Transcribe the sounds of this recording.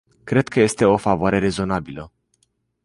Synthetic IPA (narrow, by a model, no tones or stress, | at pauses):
kɾe̞d̪̚kʰəje̞st̪e̞o̞favoaɾe̞ɾe̞zo̞nabilə